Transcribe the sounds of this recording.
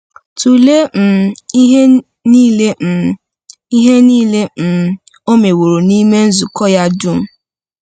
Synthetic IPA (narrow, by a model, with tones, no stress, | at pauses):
tu˨le˦m̩˨i˦ɦe˦ | niː˦le˦˨ | i˦ɦe˦niː˦le˦m̩˨ | o˦me˨wo˨ɾo˨ni˦me˦n̩˦zu˨kɔ˦ja˦du˦m̩˦